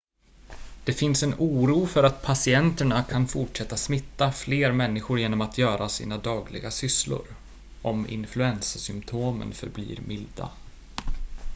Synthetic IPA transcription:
d̪̥ɛfɪnsɛnuːɾuːfœɾat̪pʰasɪɛnt̪əɳakʰanfʊʈʂɛt̪ːasmɪt̪ːafleːɾmɛnːɪɧʊɾjeːnɔmat̪ʰjœːɾasḭːnad̪ɑːɡlɪ̰ɡasʏslʊ̰ɾ | ʔɔmɪ̰nflɵɛnssʏmpt̪ʰoːmə̰nfœ̰ɾblḭːɾmɪld̪a̰

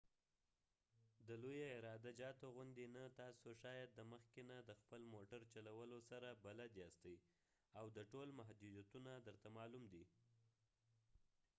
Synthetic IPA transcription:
d̪əlojaɪɾɑd̪ad͡ʒɑt̪oɣʊnd̪inat̪ɑsoʃɑjad̪ːəməxkenad̪əxpəlmoʈaɾt͡ʃalawəlosaɾabalad̪east̪əj | awd̪əʈolmaɦd̪ud̪jat̪unad̪əɾt̪amɑlumd̪i

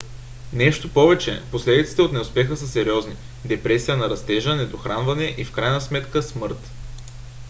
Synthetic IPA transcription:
nɛʃt̪opɔvɛt͡ʃɛ̰poslɛd̪it̪si̥t̪ɛot̪nɛʊspɛxəsəsɛɾiɔzni | d̪ɛpɾɛsijənɐɾɐst̪ɛʒənɛd̪oxɾanvɐnɛʔifkɾajnɐsmɛt̪kəsmɤɾt̪

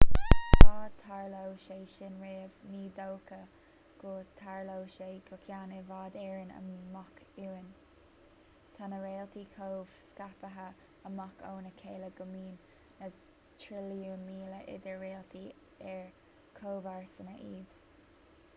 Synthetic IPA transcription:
tʰaːt̪ʰaɹlowʃejʃɪnɹeːvniːd̪owkə | ɡ̥ot̪ʰaɹlowʃejkʰʊkʰjaːnevaːd̪ɛːɹənə̰makuwən | t̪ʰanəɹeːlt̪ikʰoːv̥skapəɦə | əmako̰ːnəkʰeːləɡʊmiːnː | ə | t̪ʰɾɪljuːnmiːləʔɪ̰d̪əɹeːlt̪ʰi | ɛɹ | kʰoːvaɹsənəʔiːd̪̥

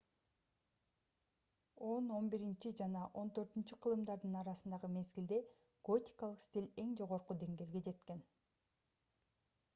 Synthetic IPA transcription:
o̞no̞nbiɾint͡ʃid͡ʒɑnɑʔo̞nt̪ø̞ɾt̪ynt͡ʃyqʰɯlˠɯmd̪ɑɾd̪ɯnɑɾɑsɯnd̪ɑʁɯme̞zɡild̪e̞ | ɡ̥o̞tʲi̥kɑlˠɯqsʲt̪ʲilʲe̞ŋd͡ʒo̞ʁo̞ɾqud̪e̞ŋɡe̞ːlɡe̞d͡ʒe̞t̪ke̞n

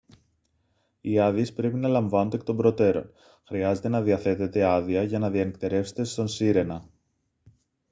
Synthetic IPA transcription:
iɐðie̞spɾe̞pinɐlɐɱvɐnond̪ek̚t̪ombɾo̞t̪e̞ɾo̞̰n | xɾiɐze̞t̪e̞nɐðiɐθe̞t̪e̞t̪e̞ɐðiɐʝɐnɐðiɐnek̚t̪e̞ɾe̞fse̞̥t̪e̞st̪o̞nsiɾe̞nɐ

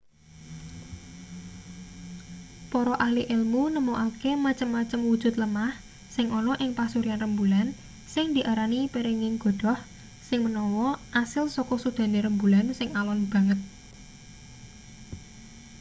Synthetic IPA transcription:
pɔɾɔʔahliʔelmunəmuʔakemat͡ʃəmːat͡ʃəmwud̥ʒ̥ʊ̤t̪̚ləmah | sɪŋʔɔnɔʔɪŋpasuɾianrəmbulan | sɪŋd̪̥i̤ʔaɾanipeɾeŋɪŋɡ̥ɔ̤d̪̥ɔ̤h | sɪŋmənɔwɔʔasɪlsɔkɔsud̪̥a̤neɾəmbulansɪŋalɔnb̥ä̤ŋət̪̚

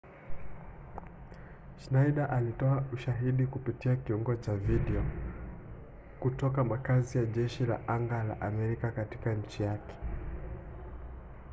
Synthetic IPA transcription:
ʃnajɗaʔalitɔauʃaɦiɗikupitiakiuŋɡɔt͡ʃaviɗɛɔ | kutɔkamakazijaʄɛʃila̰ʔaŋɡala̰ʔamɛɾikakatikaɲ̩t͡ʃijakɛ̥

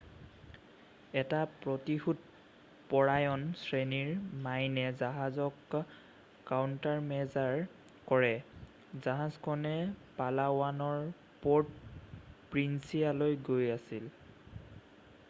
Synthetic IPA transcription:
ɛtapɹɔtixut | pɔɹajɔnsɹeniɹmajnɛzaɦazɔkː | awntaɹmɛzaɹ | kɔɹɛ | zaɦazkʰɔnɛpalawanɔɹ | pɔd | pɹinsijalojɡojasil

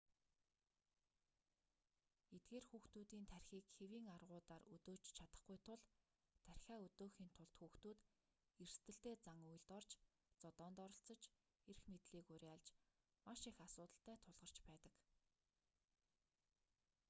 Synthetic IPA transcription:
et̪̚ɡeːrxuːxt̪uːt̪iːnt̪ʰærʲxiːkxewiːŋarʁʊːt̪aːrɵt̪oːt͡ɕt͡ɕʰat̪ə̆χɡujt̪ʰʊɮ | t̪ʰːærʲxʲæːɵt̪oːxiːnt̪ʰʊɮt̪xuːxt̪uːt̪ | er̥st̪ɘ̆ɬt̪eːt͡saŋuj̆ɮt̪ɔrt͡ɕ | t͡sɔt̪ɔːnt̪ɔɾɞ̆ɬt͡sə̆t͡ɕ | erxmet̪ɮiːkʊɾʲaɮt͡ɕ | maʃixasʊːt̪ə̆ɬt̪æːt̪ʰʊɮʁə̆r̥t͡ɕpæːt̪ə̆k

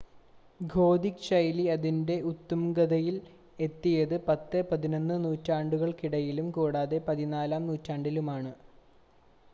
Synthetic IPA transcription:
ɡʱo̞ːd̪ikɕɐjliɐðinde̞ʔut̪ːɐmɡɐðɐjil | e̞t̪ːijɐðɨpɐt̪ːɨpɐðino̞nːɨnuːtːaːɳɖuɣɐɭkiɽɐjilumkuːɽaːðe̞pɐðinaːlaːmnuːtːaːɳɖilumaːɳɨ

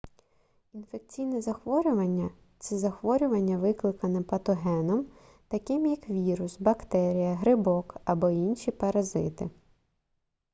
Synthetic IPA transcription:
in̪fek̚t͡sʲijnɛzɐxʋɔɾʲʊʋɐnʲːɐ | t͡sʲizɐxʋɔɾʲʊʋɐnʲːɐʋɪklˠɪkɐnɛpɐt̪ɔɦɛnɔm | t̪ɐkɪmjɐkʋʲiɾʊsbɐkt̪ɛɾʲijɐɦɾɪbɔkɐbɔinʃʲipɐɾɐzɪ̰t̪ɪ

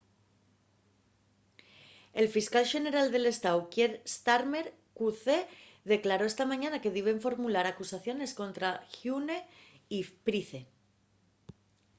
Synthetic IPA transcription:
e̞lfiskalʃe̞ne̞ɾald̪e̞le̞st̪awkje̞ɾst̪aɾme̞ɾ | kuθe | ðe̞klaɾo̞e̞st̪amãɲanake̞ðiβeɱfo̞ɾmulaɾakusaθjo̞ne̞sko̞nt̪ɾaxjune | ipɾiθe̞

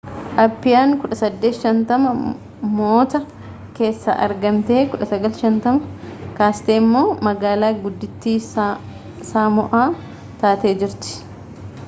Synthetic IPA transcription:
ʔɐpːɪjaːŋkʊᶑɐsɐd̪ːeːt̪ʃɐnt̪ɐmɐ | mo̞ːt̪ɐ | ke̞ːsːa̰ʔɐ̰ɾɡɐmt̪e̞ːkʊᶑɐsɐɡɐlʃɐnt̪ɐmɐkaːst̪e̞ːmːo̞ːmɐɡaːlaːɡʊd̪ːɪt̪ːiː | saːmʊʔaː | t̪aːt̪e̞ːd͡ʒɪɾt̪ɪ̥

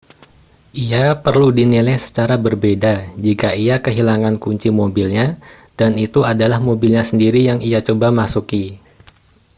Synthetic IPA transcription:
ʔijapərludinilɛjsə̥t͡ʃaɾabərbedad͡ʒikaiakəɦilaŋankuɲt͡ʃimobilɲad̥anit̪uadalahmobilɲasəndiɾijaŋijat͡ʃobamasuki

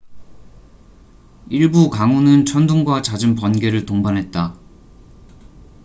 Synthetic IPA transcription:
iɭbukaŋunɯnt͡ɕʰʌnduŋɡwat͡ɕad͡ʑɯmpʌnɡe̞ɾɯɭtoŋbanɦe̞t̚t͈a

